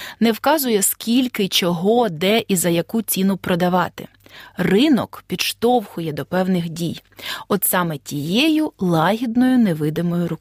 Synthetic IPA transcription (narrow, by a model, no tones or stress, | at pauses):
nɛwkɑzʊjɛskʲilʲkɪt͡ʃɔɦɔd̪ɛʔizɐjɐkut͡sʲinʊpɾɔd̪ɐʋɑt̪ɪ̰ | rɪnɔ̰kpʲid̪ʃt̪ɔwxʊjɛd̪ɔpɛwnɪxdʲijɔd̪sɑmɛtʲijɛjʊlˠɑɦʲid̪nɔjʊnɛʋɪd̪ɪmɔjʊɾʊk